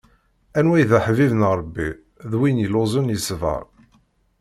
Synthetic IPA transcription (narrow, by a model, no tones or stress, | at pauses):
ænwæjðæħvivənɾˤbːi | ðwinjəlozˤənjəsvə̰ɾ